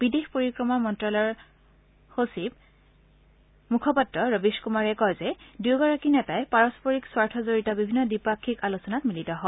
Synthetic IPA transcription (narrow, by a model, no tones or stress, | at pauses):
b̥idexpoɹikɹɔmɔmɔntɹɔlɔɹ | hosib̚ | mukʰɔpatɹɔɹobiskumaɹɛkɔjzɛduwɡɔɹakinɛtajpaɹɔspoɹikswaɹtʰɔzoɹitabibʱinːɔdipakʰːikalusɔnatmilitɔɦɔ